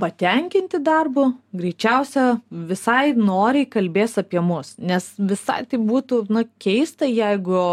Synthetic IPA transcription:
pɐt̪ʲɛŋʲkʲɪnʲt̪ʲɪd̪ɐrbʊɡɾʲɛɪt͡ʃʲɛʊsʲɛʋʲɪsɐɪnoːɾʲɛɪkɐlʲbʲeːsɐpʲiɛmʊsnʲɛsʋʲɪsɐ̰ɪt̪ɐɪbuːt̪unʊkʲɛɪst̪ɐjɛɪɡʊ

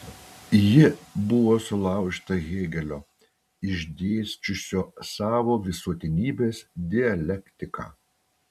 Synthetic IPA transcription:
jɪbʊʋoːsʊlˠɑˑʊʃʲt̪ɐɣʲeːɡʲɛlʲoː | ɪʒʲd̪ʲeːsʲt͡ʃʲʊsʲoːsɑːʋoːʋʲɪsuɔt̪ʲɪnʲiːbʲeːsd̪ʲɪɐlʲɛkʲt̪ʲɪkɑ̰ː

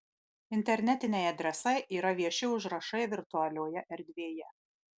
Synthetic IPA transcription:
ɪnʲt̪ʲɛɾʲnʲɛt̪ʲɪnʲɛɪɐd̪ʲɾʲɛsɐɪʔiːɾɐʋʲiɛʃʲɪʊʒɾɐʃɐɪʋʲɪɾt̪ʊɐlʲoːjɛʔɛɾʲd̪ʲʋʲeːjɛ

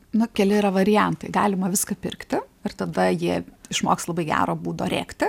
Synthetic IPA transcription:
nʊkʲɛlʲɪiɾɐʋɐɾʲɪjɛnt̪ɐɪɡɑːlʲɪmɐʋʲɪskɐpʲɪɾkt̪ʲɪɪrt̪ɐd̪ɐjiɛɪʃmoːkslˠɐbɐɪɡʲæ̰ːɾoːbuːd̪oːɾʲḛːkt̪ʲɪ

